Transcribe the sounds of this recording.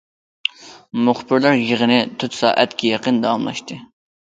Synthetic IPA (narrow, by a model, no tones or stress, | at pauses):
mʊχbɪɾlæɾjeʁənɪt̪ʰut̪sɑ̰ːʔæ̰t̪kʲʰijɑqənd̪ɑɑmlˠɑ̰ʃt̪ɨ